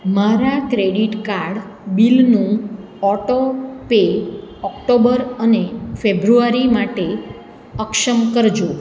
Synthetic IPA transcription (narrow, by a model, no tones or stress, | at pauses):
maɾakɾeɽiʈkaɾɖ | bilnũ | ɔʈopeɔkʈobəɾənefebɾuaɾimaʈe | əkʃəmkəɾd͡ʒo